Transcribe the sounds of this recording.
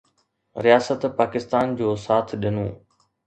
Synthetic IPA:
ɾijaːsət̪paːkɪst̪aːnd͡ʑoːsaːt̪ʰɗɪnõː

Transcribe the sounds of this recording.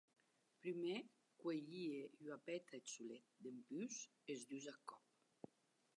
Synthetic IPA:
pɾyme | kweʎiejwapɛt̪ʰaesulet̪̚d̪empys | ezd̪yzakɔp̚

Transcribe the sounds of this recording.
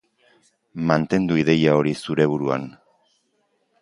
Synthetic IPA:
mant̪e̞nd̪uiðe̞jao̞ɾisuɾe̞β̞uɾua̰n

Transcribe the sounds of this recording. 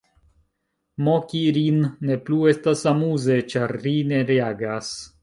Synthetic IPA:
mokiɾinːe̞plue̞stasamuze̞t͡ʃaɾːine̞ɾeaɡas

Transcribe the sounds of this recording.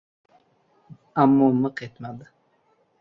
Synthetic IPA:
amːoməqet̪mad̪ɨ

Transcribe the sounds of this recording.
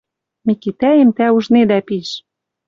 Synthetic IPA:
mikit̪æemt̪æuʒned̪æpiʃ

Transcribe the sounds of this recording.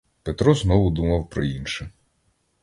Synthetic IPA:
pet̪ɾɔznɔʋʊd̪umɐwpɾɔ̰inʃɛ

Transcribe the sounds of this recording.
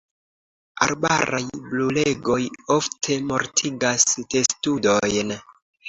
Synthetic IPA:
a̰ɾbaɾajblule̞ɡo̞jo̞ftʰe̞mo̞ɾtʰiɡaste̞studo̞jn

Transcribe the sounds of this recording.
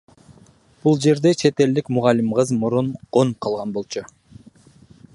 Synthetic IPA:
b̥ulˠd͡ʒe̞ɾd̪e̞t͡ʃʰe̞t̪e̞ld̪ikmuʁɑlːimqɯzmuɾunqonqʰɑlˠʁɑnbo̞lˠt͡ʃʰu

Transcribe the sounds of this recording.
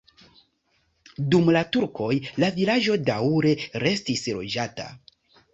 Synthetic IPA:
dumlatuɾkʰo̞jlavilad͡ʒo̞dawɾe̞ɾe̞stislo̞̰d͡ʒata̰

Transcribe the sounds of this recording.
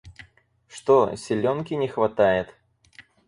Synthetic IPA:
ʂt̪osʲɪlʲonkʲɪnʲɪxvɐt̪ajɪt̪

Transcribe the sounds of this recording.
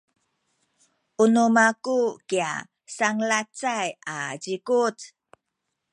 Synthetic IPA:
ʔunumakukia̰ | saŋlat͡sajad͡ʑikut

